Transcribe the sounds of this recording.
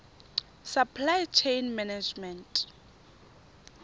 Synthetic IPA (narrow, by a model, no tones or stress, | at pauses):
sapʰlajt͡ʃʰejnmɛnad͡ʒmɛntʼ